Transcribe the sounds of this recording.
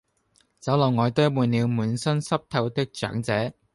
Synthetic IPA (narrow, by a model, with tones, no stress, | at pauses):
t͡sɐ˨˥wlɐ˨˩wŋɔː˨˧jt̪ɵ˥muː˨˩nliː˨˧wmuː˨˥nsɐ˥nsɐ˥p̚t̪ʰɐ˧wt̪ɪ˥k̚t͡ʃœ̰ː˨˥ŋt͡sɛː˨˥